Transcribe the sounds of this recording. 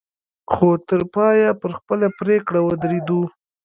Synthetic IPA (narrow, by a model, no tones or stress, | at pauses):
xot̪əɾpɑjapəɾxpəlapɾekɽawəd̪ɾid̪u